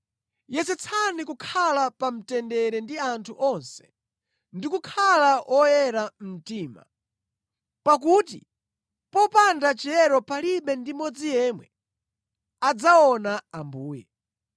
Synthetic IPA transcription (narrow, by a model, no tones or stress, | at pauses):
jɛsɛt͡sʰanikukʰalapam̩tɛndɛɾɛndiantʰuʔɔnsɛ̥ | ndikukʰalaʔʔɔjɛɾam̩tiːma̰ | pak̬utḭ | pɔpandat͡ʃɛɾɔpaliɓɛndimɔd͡zijɛːmwɛ̰ | ad͡zaɔnaambuːjɛ